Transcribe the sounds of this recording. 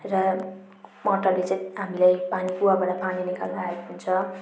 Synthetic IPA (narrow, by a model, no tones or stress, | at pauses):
rʌ | mʌʈːʌrlet͡sʌjɦamilajpanipuwabʌnapaninika̰lnaekɦunt͡sʰʌ